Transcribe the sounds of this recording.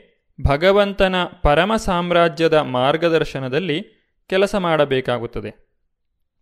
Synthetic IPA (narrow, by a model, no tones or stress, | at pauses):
bʱɐɡɐʋɐnt̪ɐnɐpɐɾɐmɐsaːmɾaːd͡ʒjɐd̪ɐmaːɾɡɐd̪ɐɾʃɐnɐd̪ɐlːi | kɛlɐsɐmaːɽɐbɛːkaːɡut̪ːɐd̪e̞